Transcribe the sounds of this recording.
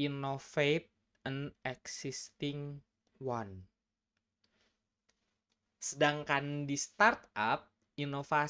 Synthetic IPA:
inofet̪̚ | ənɛksist̪ɪŋ | wan | sədaŋkandist̪art̪ap̚ | inofa

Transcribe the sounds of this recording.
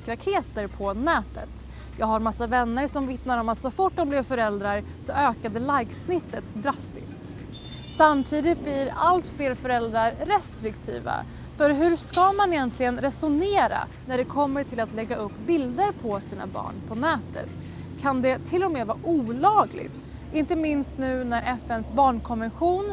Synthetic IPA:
kɾakʰeːt̪əɾpʰɔnɛːt̪ə̰t̪ | jɑːɡhaɾmasːavɛnːəɾsɔmvɪt̪naɾɔmat̪sɔfʊʈːɔmblɪvfœɾɛld̪ɾaɾ | sɔʔøːkad̪əlajɡsnɪt̪ːət̪d̪ɾast̪ɪ̰st̪ | samːt̪ʰiːd̪ɪt̪̚blɪɾalt̪fleːɾfœɾɛld̪ɾaɾːɛst̪ɾɪkt̪ʰḭːva̰ | fœɾɦɵɾskamanɛjɛnt̪ʰlɪɡənɾɛsʊneːɾa̰næɖɛkʰɔmːəʈʰɪlat̪lɛɡːaɵpːbɪld̪əɾpʰɔsiːnʔa̰bɑ̰ːɳpʰɔnɛːt̪ə̰t̪ | kʰand̪ɛt̪ʰɪlːɔmeːvɑːʔuːlɑːɡlɪ̰ɡt̪ | ɪnt̪əmɪnst̪nʉ̟ːnæɾʔɛfɛnsbɑːɳkʰɔnvɛnɧuːn

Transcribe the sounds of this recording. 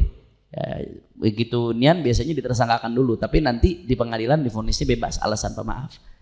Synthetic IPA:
a̰əɡit̪unianbias̬aɲadit̪ərsaŋkakandulut̪apinant̪idipəŋadilandifonɪsɲabeba̰sa̰lasa̰npəma̰ʔaf

